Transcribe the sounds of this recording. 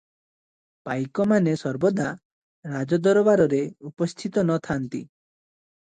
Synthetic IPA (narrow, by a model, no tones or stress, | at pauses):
pajkɔmanesɔɾbɔd̪a | ɾad͡ʒɔd̪ɔɾɔbaɾɔɾeupɔst̪ʰit̪ɔnɔt̪ʰant̪ḭ